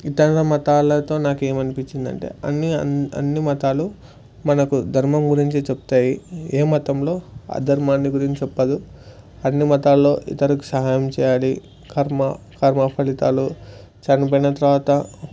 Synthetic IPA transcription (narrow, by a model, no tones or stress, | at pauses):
iʈ̪ːɐɳlɐmɐt̪aːlɐt̪o̞ːnaːke̞ːmɐnipiɲt͡ʃːind̪ɐ̰ɳʈe̞̰ːɐnːiɐ̰nːimɐt̪aːlu | mɐnɐkud̪ʱɐɾmɐmɡuɾiɲt͡ʃit͡ʃepu̥t̪aːjieːmɐt̪ɐmlo̞ːa̰ːd̪ʱɐɾmaːnːiɡuɾiɲt͡ʃt͡ʃɛpːɐd̪u | ɐnːimɐt̪aːlɐloːʔḭt̪ɐɾɐku̥sɐɦaːjɐmt͡ʃɛːjaːli | kʰɐɾmɐ | kʰɐːɾmɐpʰɐlit̪a̰ːlu | t͡ʃɐnip̬ɐjinɐt̪ɐɾʋaːt̪ɐ